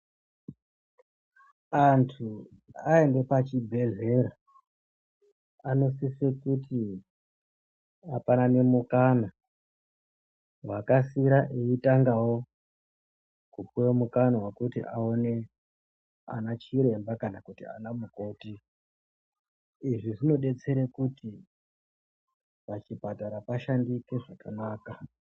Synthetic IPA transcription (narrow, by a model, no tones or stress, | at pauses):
antʰu | ae̞nde̞pat͡ʃibʱe̞ɮe̞ɾa | ano̞sisekutʰi | apanane̞mukana | wakasiɾaʔeitaŋɡawo̞ | kupuwemukanawakutḭʔaone̞ | a̰nat͡ʃiɾe̞mbakanakutḭa̰namuko̞ːti | ʐiʐino̞ɗe̞t͡se̞ɾekuti | pat͡ʃibataɾapaʃandike̞ʐakanaːka